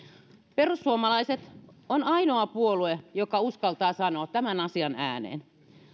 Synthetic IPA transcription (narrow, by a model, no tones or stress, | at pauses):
perusːuomɑlɑiset̪onɑinoɑpuoluejokɑuskɑlt̪ɑːsɑnoɑt̪t̪æmænɑsiɑnæ̰ːnḛːn